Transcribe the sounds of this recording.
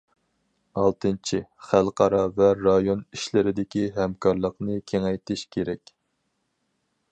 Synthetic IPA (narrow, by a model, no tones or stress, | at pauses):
ɑlˠt̪ɨnt͡ʃʰiχælˠqʰɑɾɑvɛɾɑjoniʃlɪɾɪd̪ɪkʲiɦɛmkʰɑɾlˠəqnɨkʲʰeŋɛjt̪ʰɪʃkʲʰeɾɛkʲ